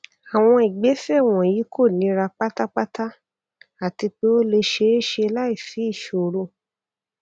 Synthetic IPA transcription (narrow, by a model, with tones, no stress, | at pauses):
a˨w̃ɔ̃˧i˨ɡ͡be˨˦fɛ˦˨w̃ɔ̃˨ji˨˦kʰo˦˨nĩ˨˦ɾa˧k͡pa˦ta˦k͡pa˦ta˦ | a˦˨ti˧k͡pe˦o˦le˧ʃe˧˦e˦ʃe˧la˦i˦˨fi˨˦i˦˨ʃo˨˦ɾo˦˨